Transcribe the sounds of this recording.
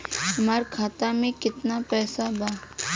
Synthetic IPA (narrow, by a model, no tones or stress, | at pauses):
ɦɐmaːɾkʰaːt̪amẽkɪt̪napɛːsabaː